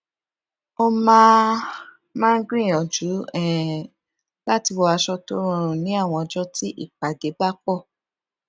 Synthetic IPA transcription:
o˧mãː˦ | mãː˦ɡɾĩ˦˨ɔ̃˨d͡ʒu˨˦ɛ˦˨ | la˦ti˧wɔ˧a˧ʃɔ˧to˦ɾũ˦˨˧ɾ̃ũ˨nĩ˨˦a˦˨w̃ɔ̃˧ɔ˧d͡ʒɔ˦ti˦ʔḭ˦˨k͡pa˨de˨˦ba˦k͡pɔ˦˨

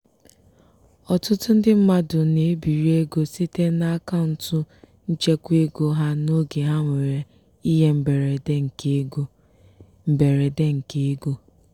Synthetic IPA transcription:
ɔ˨tʊ˦tʊ˦n̩˦dɪ˦m̩˦ma˦dʊ˨ne˨˦bi˨ɾi˦e˦ɡo˦si˦te˦na˦ka˦ʊ˨n̩˨tʊ˦ | n̩˦t͡ʃe˦kʷe˦ɡo˦ɦa˦no˦ɡe˨ɦa˦ŋʷe˨ɾe˨ | i˦ɦe˦m̩˦be˨ɾe˨de˦ŋ̩˨ke˦ɡo˦ | m̩˨be˨ɾe˨de˦ŋ̩˨ke˨˦ɡo˦

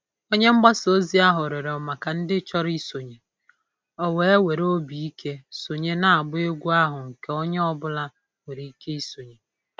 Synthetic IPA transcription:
o˦ɲe˦ŋ͡m̩˦ɡ͡ba˦so˦zi˦a˦ɦʊ˨ɾe˨ɾɔ˨ma˨ka˨n̩˦dɪ˦t͡ʃɔ˦ɾi˦so˨ɲe˨ | ɔ˨we˨e˦we˨ɾo˦bi˨i˦ke˦so˨ɲe˦na˨a˨ɡ͡bʊ˦e˦ɡʷu˦a˦ɦʊ˨ŋ̩˨ke˦o˦ɲe˦ɔ˦bʊ˦la˦ | we˨ɾi˨i˦ke˦i˦so˨ɲe˨

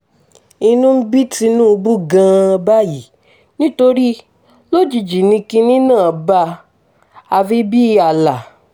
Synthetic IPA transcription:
i˧nũ˦m̩˦bi˦ti˧nũ˦˧bu˦ɡã˧ba˦ji˨ | nĩ˦to˧ɾi˦ | lo˦d͡ʒi˨d͡ʒi˨nĩ˧kĩ˧nĩ˦nãː˦˨ba˧ | a˧fi˦bi˦a˨la˨

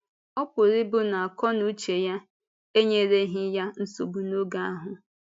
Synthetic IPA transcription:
ɔ˦pʊ˨ɾɪ˦bʊ˦na˨a˨kɔ˦nu˦t͡ʃe˨ja˦ | e˦ɲe˨ɾe˦ɦɪ˦ja˦n̩˦so˨bu˨no˦ɡa˦a˦ɦʊ˦

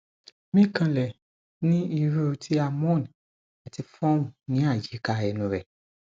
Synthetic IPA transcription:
mĩ˦˨kã˧lɛ˨ | nĩ˦i˧ɾu˦o˧tʰi˦a˧mɔ̃˦˨n˨ | a˨ti˧fɔ̃˦wũ˨nĩ˨˦a˦˨d͡ʒi˨˦ka˧˨ɛ˨nũ˨ɾɛ˨

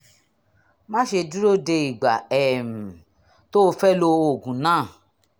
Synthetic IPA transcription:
mã˦ʃe˧du˦ɾo˦de˧i˨ɡ͡ba˨ɛ˨m̩˨ | to˦˧fɛ˦lo˧o˨ɡũ˨nãː˦˨

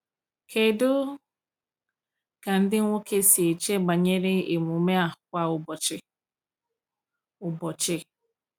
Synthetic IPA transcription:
kʰe˨dʊ˦ | ka˨n̩˦dɪ˦ŋʷo˦ke˦si˨t͡ʃe˦ɡ͡ba˨ɲe˦ɾe˦e˨mu˨me˦a˨hʊ˨kʷa˦ʊ˨bɔ˨t͡ʃɪ˦ | ʊ˨bɔ˨t͡ʃɪ˦

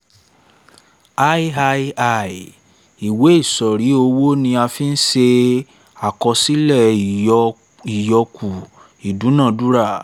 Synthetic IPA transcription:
a˦i˦a˧˦a˨ | i˨we˨˦i˦˨sɔ˨ɾi˨˦o˧wo˦nĩ˧a˧fi˦n̩˦ʃe˧ | a˨kɔ˧si˦lɛ˦˨ | i˨jɔ˧ku˨ | i˨du˨˦nã˦˨du˦ɾa˦˨

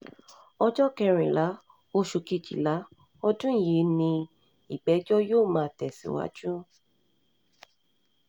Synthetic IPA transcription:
ɔ˧d͡ʒɔ˦kɛ˧ɾ̃ĩ˨la˨˦ | o˦ʃu˧ki˧˨d͡ʒḭ˨la˨˦ | ɔ˦dũ˦˨je˨˦nĩ˧ | i˨ɡ͡bɛ˨˦d͡ʒɔ˦joː˦˨mãː˨˦˧tɛ˨sḭ̃˨˧˦wa̰˧˦d͡ʒũ˦

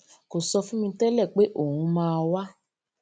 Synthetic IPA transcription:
ko˨sɔ˧fũ˦mĩ˧tɛ˦lɛ˦˨k͡pe˨˦ʔo˦˨hũ˨˧˦mãː˧wa˦

